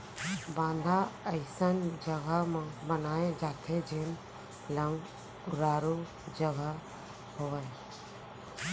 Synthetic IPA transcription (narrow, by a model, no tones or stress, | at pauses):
bãːnd̪ʱaəɪsənd͡ʒəɡəmãbənaːẽd͡ʒaːt̪ʰed͡ʒeːn | ləŋɡ | ʊɾaːɾu | d͡ʒəɡə | ɦoːe